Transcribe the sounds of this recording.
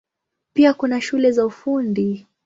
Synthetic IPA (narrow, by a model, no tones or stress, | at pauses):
piakunaʃulɛzaufundi